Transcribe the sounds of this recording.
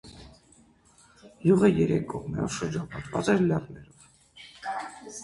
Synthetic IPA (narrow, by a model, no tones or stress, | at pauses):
juʁəjɛɾɛk̚ɡɔʁmɛ̰ɔ̰ʃəɾd͡ʒɑpɑt̪vɑt͡sɛɾlɛrnɛɾɔv